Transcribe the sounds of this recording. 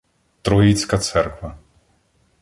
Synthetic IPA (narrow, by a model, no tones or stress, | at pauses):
t̪ɾɔit̪skɐt̪sɛrkvɐ